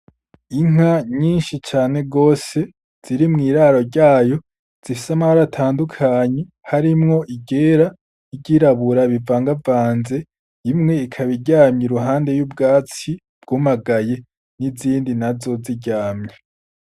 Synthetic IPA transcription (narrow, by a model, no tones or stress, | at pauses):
iŋ̥aɲiːnʃit͡ʃaːne̞ɡo̞ːse̞ | z̥iɾimŋiːɾaːɾo̞ɾɟaːjo̞ | z̥ifisamaβaɾatʰaːndukʰaːɲe̞ | haɾimŋo̞ʔiɡe̞ːɾa | iɟiɾaβuɾaβivaːŋɡavaːnze̞ | imŋe̞ikʰaβiɟaːmɲiɾuɦaːnde̞jub̚ɡaːt͡si | b̥ɡ̥umaɡaje̞ | niziːndinazo̞ziɟaːmɲa